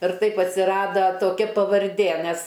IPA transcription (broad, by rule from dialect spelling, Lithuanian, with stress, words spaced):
ɪr ˈtɐɪp ɐtʲsʲɪˈrɑːdɐ toːˈkʲɛ pɐʋɐrʲˈdʲeː ˈmʲɛs